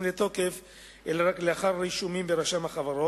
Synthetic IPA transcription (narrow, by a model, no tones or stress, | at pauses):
mlet̪o̞ke̞f | ʔelaʁakleaχaɾːiʃumimbeɾaʃamhaχavaɾo